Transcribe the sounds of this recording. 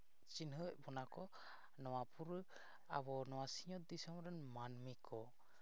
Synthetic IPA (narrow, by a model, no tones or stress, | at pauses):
t͡ʃinɦɯʔbɔnakɔ | nɔwapʰuɾ | a̰bɔnɔwasiɲɔt̪̚d̪isɔmɾɛnmanmikʰɔ